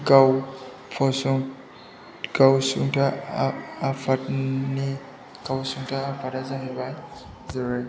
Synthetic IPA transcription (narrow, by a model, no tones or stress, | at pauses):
ɡaw | pʰɔsuŋ | ɡ̥awsuŋtʰaː | pʰat̚ni | ɡ̥awsuŋtʰaːpʰatazaɦebaj | zɯɾɯj